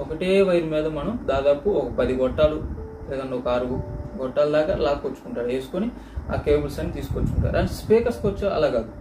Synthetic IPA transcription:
ɔkɐʈeːʋɐjɐɾmiːd̪ɐmɐnɐmd̪aːd̪aːpuɔkɐpɐd̪iɡɔʈːaːlu | ɛːd̪ɐɳːɖeɔkɐaːɾuɡuɡɔʈːaːlud̪aːkalaːkːot͡ʃːu̥kuɳʈaːɾeːsu̥koni | a̰ːkeːbulsɐnːit̪iːsu̥kot͡ʃːkuɳʈa̰ːɾɐnspeːkɐɾskot͡ʃːɐɐ̰laːkaːd̪u

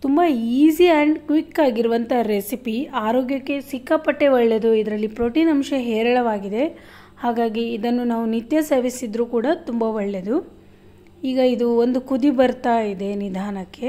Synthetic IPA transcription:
t̪umbɐiːsiɐɳɖkʋikːaːɡiɾuʋɐnt̪ʰɐɾesipiaːɾoːɡjɐkːe̞sikːɐpɐʈːe̞ʋɐɭːed̪uid̪ɐɾɐlːipɾo̞ːʈiːnɐmʃɐɦɛːɾɐɭɐʋaːɡid̪e̞ | haːɡaːɡiːd̪ɐnːunaːʋunit̪jɐsɐɾʋisid̪ɾuːkuːɽɐt̪umbɐʋɐɭːed̪u | iːɡɐid̪uond̪ukud̪ibɐɾt̪aːjid̪e̞nid̪ʱaːnɐkːe̞

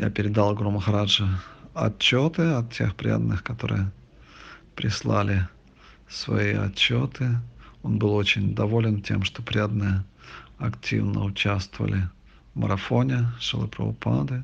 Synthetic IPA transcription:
japʲɪɾʲɪd̪alˠɡɾoməxɾaʐɨɐ̰t͡ɕːo̞t̪ɨɐt̪̚tʲe̞̰xpɾʲa̰d̪ənːɨxkɐt̪o̞ɾɨ̰jə | pɾʲɪslˠalʲɪ | svɐ̰iɐ̰t͡ɕːo̞t̪ʰɨo̞nbɨlˠo̞t͡ɕɪnʲd̪ɐvo̞lʲɪntʲe̞mʂt̪opɾʲad̪ənɨjəɐktʲʰḭvnə̰ʊt͡ɕæst̪vəvə̰lʲɪ | vmə̰ɾɐfo̞nʲɪʂɨlˠɨpɾə̰ʊpʰad̪ɨ

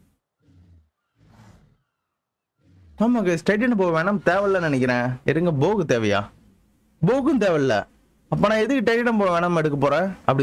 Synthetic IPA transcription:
namɐkesʈɐʈɪnɐpoːɐʋeːɳɐmt̪eːʋɐllɐnɪnɛk̬ʲːɪɾẽːɪɾɯŋɡɐboːkɯt̪eːʋɐja̰ː | boːkɯmt̪̬eːʋɐllɐ̰ | ɐpːɐːnãːɛðɯkːɯʈɐɪnɪʈɐmpoːʋeːnɐmɛɽɯk̬ːɐp̬oːɾɛ̃ɐpːɐɽɪ

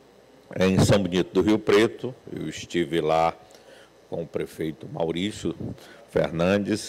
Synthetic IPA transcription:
ẽj̃sɐ̃w̃binit̪ʊd̪ʊɦiʊpɾet̪ʊḛwɪst͡ʃivɪla | kõʊpɾefejt̪ʊma̰wɾisjʊfḛɾnɐ̃d͡ʒɪs

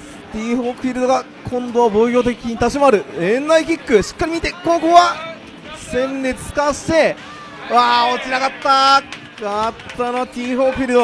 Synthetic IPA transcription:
s | t̪ʲiːhoːkɯ̟ɸʲiɾɯ̟d̪o̞ɡa | kʰõ̞nd̪o̞βaboːɡʲo̞ːt̪̬e̞kʲiɲ̟it̪aɕimaɾɯ̟ẽnːaikʲikːɯ̟ɕi̥kːaɾʲimʲit̪e̞koːkoːβa | sẽ̞nd̪e̞t͡sɨ̥kaɕi̥t̪e̞ | βaot͡ɕinaɡat̪ːa | at̪ːanoat̪ʲiːɸo̞ːɸʲiɾɯ̟d̪o

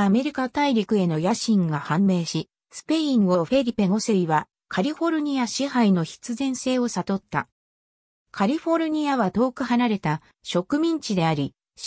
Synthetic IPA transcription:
ame̞ɾʲikat̪aiɾʲikɯ̟e̞no̞jaɕĩŋɡahãmbe̞ːɕi | sɨ̥pe̞ĩɰo̞ɸe̞ɾʲipe̞ŋoseiβa | kʰaɾʲiɸo̞ɾɯ̟ɲ̟iaɕihaino̞çi̥t͡sɨzẽ̞ɰ̃se̞ːo̞sat̪o̞t̪ːa̰ | kʰaɾʲiɸo̞ɾɯ̟ɲ̟iaβat̪o̞ːkɯ̟hanaɾe̞t̪a | ɕo̞kɯ̟mʲĩɲ̟t͡ɕid̪e̞aɾʲi

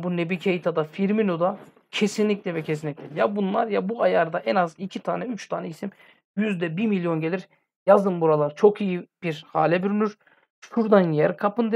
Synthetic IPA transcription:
bunebicʰejit̪ʰad̪afiɾminod̪a | cʰesinlʲicʲlʲɛvɛcʰes̬inlʲicʲlʲɛjabunlˠaɾjabuajaɾd̪aʔɛnazicʰit̪ʰaːnɛyt͡ʃt̪ʰaːnɛisim | jyzd̪ɛbiɾmilʲjo̞nɟelʲiɾ | jazd̪ɯmbuɾalˠaɾt͡ʃʰo̞kijib̥iɾhaːlʲɛbyɾynyɾ | ʃuɾd̪anjijɛɾkʰapɯnd̪

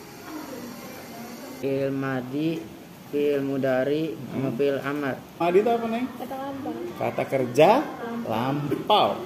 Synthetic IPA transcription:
ɪlmadi | pilmudaɾia̰mapila̰mat̪̚madit̪aapanɛŋkat̪alampaka̰t̪akərd͡ʒalampaw

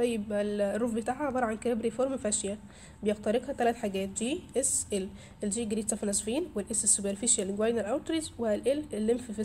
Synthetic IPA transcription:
t̪ɑjːebælrːuːfbet̪aːʕæd̪ˤɑɾˤʕankææbɾifoɾmfæʃjæ | bejext̪æɾeɡhæt̪ælæt̪ħaɡæːt̪̚d͡ʒiːʔesʔel | ʔeld͡ʒiːɡɾiːt̪sɑfnæsˤfiːnwelʔesesːubeɾfiʃjælɪɡwajnelʔæwɾt̪ɾizweælʔelʔelːemfife

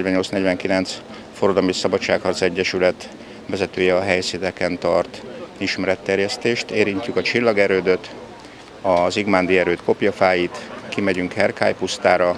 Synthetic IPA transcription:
ɟʋɛɲːo̞lsnɛɟʋɛŋkilɛnt̪s | foɾɒd̪ɒmisɒbɒt͡ʃːaːkhɒrt̪sɛɟːɛʃylɛt̪ | ʋvɛzɛt̪øːjɛɒɦɛjsit̪ɛkɛnt̪ɒrt̪iʃmɛɾɛt̪ːɛrjɛst̪eːʃt̪eːɾiɲcːykɒt͡ʃilːɒɡɛɾøːd̪ø̞t̪ | ɒziɡmaːnd̪iɛɾøːt̪ko̞pjɒfaːjit̪kimɛɟyŋkhɛrkʰa̰ːjpust̪aːɾɒ

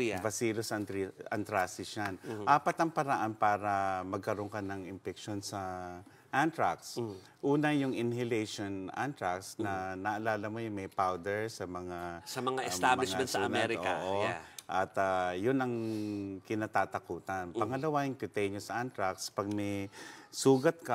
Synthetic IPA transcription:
bɐsiːlosɐnt̪ɐ̰nt̪ɾasɪsjanʔaːpɐt̪ɐŋpɐɾaʔanpaːɾɐmɐɡ̚kɐɾo̞ŋkɐnɐŋɪmpɛk̚ʃonsɐ | ʔant̪ɹak̚s | ʔuːnɐjʊŋɪnhɪlɛjʃonʔa̰nt̪ɾaksnɐnɐʔɐlaːlɐmo̞jʊŋmɐjpawd̪ɛɹsɐmɐŋasɐmɐŋaʔɪst̪ablɪʃɛ̃nsɐɐlɛɾɪko̰ːʔoʔɐt̪ajʊnɐŋkɪnat̪aːt̪ɐkuːt̪anpɐŋɐlɐwajʊŋkʊt̪ɛjɲosʔant̪ɹakspɐɡ̚mɛsuːɡɐt̪̚ka

